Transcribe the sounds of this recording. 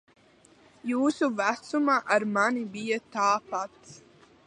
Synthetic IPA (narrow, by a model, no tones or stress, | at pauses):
juːsuvæt̪sumaʔaɾmanibijat̪aːpat̪s